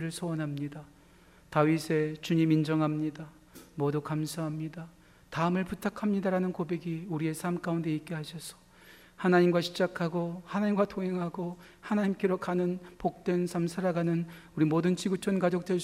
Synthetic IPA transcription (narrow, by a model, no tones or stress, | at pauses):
ɾɯɭsʰʌwʌnɦamɲida | tawisʰe̞t͡ɕuɲimind͡ʑʌŋɦamɲida | mʌdukamsʰaɦamɲida | taɯmɯɭputʰakʰamɲidaɾanɯnkobe̞ɡiuɾie̞sʰamk͈aunde̞ik͈eɦaɕʰʌsʰʌ̥ | hanaɲimɡwaɕʰid͡ʑakʰaɡohanaɲimɡwatʰoŋɦe̞ŋɦaɡo | hanaɲimk͈eɾokanɯnpok̚t͈wensʰamsʰaɾaɡanɯnuɾimodɯnt͡ɕiɡut͡ɕʰʌnkad͡ʑok̚t͈we